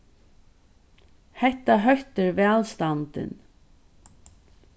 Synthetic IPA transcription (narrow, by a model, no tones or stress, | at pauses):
hɛht̪ːaɦœht̪ɪɾvɛːlst̪ant̪ɪ̰n